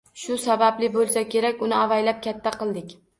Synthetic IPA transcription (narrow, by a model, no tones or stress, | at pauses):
ʃʊsabablɪbolˠsakʲe̞ɾakʲʊnɪavajlap̚kʲʰat̪ʰːaqɨlˠd̪ɪkʲ